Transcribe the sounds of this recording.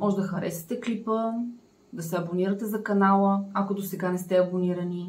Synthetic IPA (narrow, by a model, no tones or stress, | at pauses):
mɔʒɛd̪ɐxɐɾɛ̰sɛ̥t̪ɛklipə | d̪ɐsɛɐboniɾət̪ɛzɐkɐnalˠəɐkod̪osɛɡanɛst̪ɛɐboniɾɐni